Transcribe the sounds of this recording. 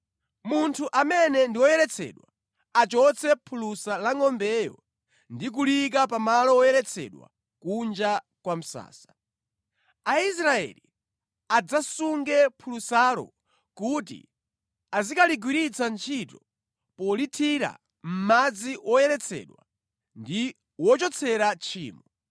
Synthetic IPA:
muntʰuʔamɛnɛndiwɔjɛɾɛt͡sʰɛ̰ːɗwa | at͡ʃɔt͡sʰɛpʰulusalaŋɔmbɛjɔ̰ | ndik̬ulik̬apamalɔwɔjɛɾɛt͡sʰɛ̰ɗwa̰ | kund͡ʒa | kwam̩sa̰ːsḁ | ais̬ɾaɛ̰li | ad͡zasuŋɡɛpʰulusaɾɔ̰ | kutḭ | azikaliɡwiɾit͡sant͡ʃʰitɔ | pɔlitʰiɾa̰ | m̩mad͡ziwɔjɛɾɛt͡sʰɛ̰ɗwa | ndi | wɔt͡ʃɔt͡sʰɛɾat͡ʃʰḭːmɔ

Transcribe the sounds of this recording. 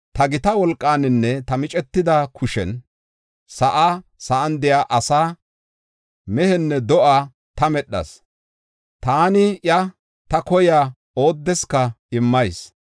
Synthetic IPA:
t̪ɐɡɪt̪ɐwɔlkʼːaːnɪnːɛt̪ɐmɪt͡ʃʼɛt̪ːɪd̪ɐkʰʊʃɛ̰n | sɐʔaːsɐʔɐnd̪ɪjaːʔɐsaː | mɛhɛnːɛd̪ɔʔaː | t̪ɐmɛɗːɐ̰s | t̪aːnɪjɐ | t̪ɐkɔjaː | o̞ːd̪ːɛskːɐɪmːɐjs

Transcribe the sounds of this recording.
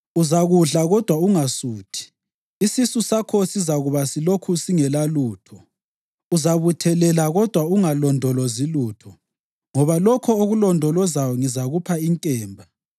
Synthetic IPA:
uzaɣuɮaɣɔd̥ʱwauŋasuːtʰi̥ | isisusakʰosizaɣuβasilokʰusiŋɛlaluːtʰɔ | uzaβutʰɛlɛlaɣɔd̥ʱwauŋalɔndʱɔlɔziluːtʰɔ | ŋɔβalɔkʰɔoɣulɔndʱɔlɔzawɔŋizaɣupʰaiŋkʼɛːmbʱa

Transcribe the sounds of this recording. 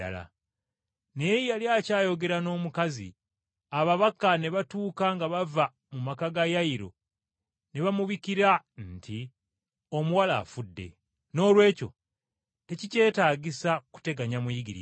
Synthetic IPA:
a̰la̰ | nejaljaːcaːjo̞ɡe̞ɾano̞ːmukazḭ | aβaβakːane̞βatuːkaŋɡaβava | mumakaɡajaiɾo̞̰ | ne̞βamuβikiɾanti | o̞muwala̰ːfudːe̞̰ | no̞ːlwe̞ːco̞̰ | te̞cice̞ːtaːɟisaku̥te̞ɡaɲamujiɡiɾḭ

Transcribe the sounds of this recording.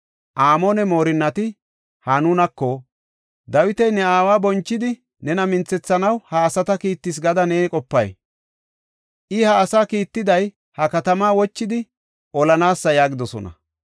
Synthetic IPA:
ʔaːmonɛmo̞ːɾɪnːɐt̪ɪ | hɐnʊnɐkːo | d̪ɐwɪt̪ɛjnɛaːwaːbɔnt͡ʃːɪd̪ɪ | nɛnɐmɪnt͡sːɛt͡sːɐnɐwhɐːsɐt̪ɐkiːt̪ːɪs̬ɡɐd̪ɐneːkʼɔpːɐ̰j | ʔɪhɐːsaːkiːt̪ːɪd̪ɐj | hɐkɐt̪ɐmaːwɔt͡ʃːɪd̪ɪ | ʔɔlɐnaːsːɐjaːɡɪd̪ɔsɔ̰nɐ̰

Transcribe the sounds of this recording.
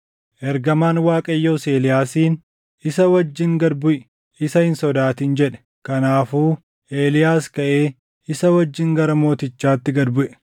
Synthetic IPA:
ʔɛɾɡɐmaːnwaːkʼɐjːoːseːlɪjaːsiːn | ɪsɐwɐd͡ʒːɪŋɡɐd̪bʊʔɛ̥ | ɪsɐhɪnsɔd̪aːt̪iːnd͡ʒɛᶑɛ̥ | kɐnaːfuː | ʔeːlɪjaːskɐʔe̞ː | ɪsɐwɐd͡ʒːɪŋɡɐɾɐmo̞ːt̪ɪt͡ʃːaːt̪ːɪɡɐd̪bʊʔɛ̥

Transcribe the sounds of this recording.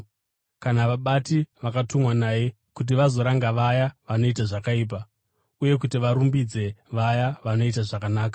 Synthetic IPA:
kanaʋaɓatiʋakatumwanaːje̞ | kut̬iʋazo̞ɾaŋɡaʋajaʋano̞itaʐakaiːp̬a | uje̞k̬utiʋaɾumbid͡ze̞ʋajaʋano̞it̬aʐakanaːkḁ

